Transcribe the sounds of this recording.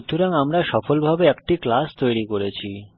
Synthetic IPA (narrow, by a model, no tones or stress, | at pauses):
d̪ʰʱːuɾaŋamɾaʃɔfolbʱabeɛkʈiklast̪ojɾikoɾet͡ɕʰi